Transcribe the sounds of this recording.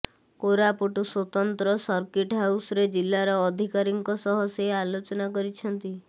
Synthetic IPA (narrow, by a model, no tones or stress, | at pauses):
koɾapuʈuswɔt̪ɔnt̪ɾɔsɔɾkiʈɦawsɔɾed͡ʒilːaɾɔːd̪ʱikaɾiŋkɔsɔɦɔsjealot͡ʃɔnakɔɾit͡ʃʰɔnt̪i